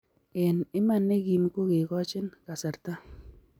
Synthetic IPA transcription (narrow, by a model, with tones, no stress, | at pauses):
e˨nɪ˦ma˦nːe˦ɡi˨m˦ko˦kɪ˨kɔ˦t͡ʃɪ˦nka˨sa˨ɾta˦